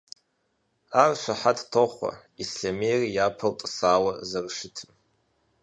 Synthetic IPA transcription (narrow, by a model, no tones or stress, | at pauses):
arʃʷaħadʰtʰoχʷa̰ | isɬame̞jrijapʰɨltʼsaːwazarʂɪtʰɨm